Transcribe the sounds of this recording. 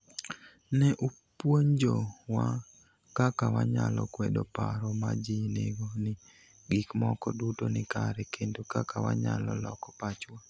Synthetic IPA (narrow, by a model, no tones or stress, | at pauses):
nɛʔu | pwoɲd͡ʒowa | kakawaɲalɔ̰kwɛdopaɾɔmad͡ʒɪneɡonɪ | ɡikmɔkɔdutonɪkaɾɛkendokakawa̰ɲa̰lɔlɔkɔpat͡ʃwa